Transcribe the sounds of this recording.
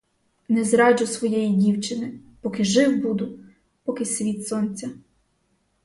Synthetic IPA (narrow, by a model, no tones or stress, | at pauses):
nɛzɾɑd͡ʒʊsʋɔjɛjidʲiwt͡ʃɪnɪpɔkɪʒɪwbud̪ʊ | pɔkɪsʲʋʲit̪sɔnʲt͡sʲɐ